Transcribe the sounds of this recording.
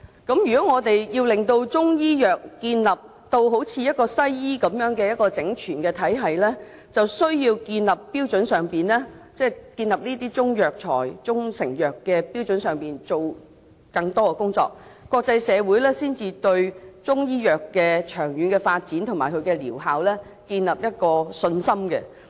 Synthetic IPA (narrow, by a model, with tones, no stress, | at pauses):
kɐ˨˥mjyː˨˩kɔ˨˥ŋɔː˨˧t̪e˨jjiː˧wlɪ˨ŋt̪o˧wt͡sʊ˥ŋjiː˥jœː˨˩k̚ːiː˧nlɐ˨p̚ | t̪o˧wɦo˨˥wt͡sʰiː˨˧jɐ˥t̚kɔː˧sɐ˥jjiː˥kɐ˨˥mjœː˨˥ŋkɛː˧jɐ˥t̚kɔː˧t͡sɪ˨˥ŋt͡ʃʰyː˨˩nkɛː˧t̪ʰɐ˨˥jɦɐ˨jlɛː˥ | t͡sɐ˨wsɵ˥ɥjiː˧wkiː˧nlɐ˨˩pːiː˥wt͡sɵ˨˥nsœː˨ŋpiː˨nlɛː˥t͡sɛː˥kiː˧nlɐ˨˩p̚niː˥t̪̬iː˥t͡sʊ˥ŋjœː˨k̚t͡ʃʰɔ̰ː˨˩jt͡sʊ˥ŋsɪ˨˩ŋjœː˨kːɛ˧piː˥wt͡sɵ˨˧˥nsœː˨ŋpiː˨nt͡so˨w | kɐ˧ŋt̪ɔː˥kɛ˧kʊ˥ŋt͡sɔ̰ː˧k̚ːɔː˧k̚t͡sɐ˧jsɛː˨˧wuː˨˥jlɛː˥siː˥nt͡siː˧t̪ɵ˧ɥt͡sʊ˥ŋjiː˥jœː˨kːɛː˧t͡ʃʰœː˨˩ŋjyː˨˧nkɛː˧faː˧t̚t͡siː˨˥nt̪ʰʊ˨˩ŋmaː˨˩jkʰɵ˨˧ɥkɛ˧liː˨˩wɦaː˨wlɛː˥ | kiː˧nlɐ˨p̚jɐ˥t̚kɔː˧sɵ˧nsɐ˥mkɛ˧